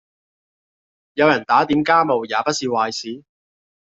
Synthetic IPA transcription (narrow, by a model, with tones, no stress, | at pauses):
jɐ˨˧wjɐ˨˩nt̪aː˨˥t̪iː˨˥mkaː˥mo˨wjaː˨˧pɐ˥t̚siː˨˧waː˨jsiː˨˥